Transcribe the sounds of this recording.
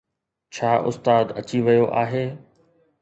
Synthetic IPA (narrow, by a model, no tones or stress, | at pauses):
t͡ɕʰaːʔʊ̰st̪aːd̪ɐ̰t͡ɕiʋɐjoʔaːɦeː